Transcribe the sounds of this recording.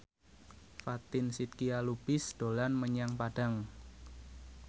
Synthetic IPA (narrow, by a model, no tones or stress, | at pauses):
fat̪ɪnsit̪̚kialubɪsd̥olanməɲaŋpad̥a̤ŋ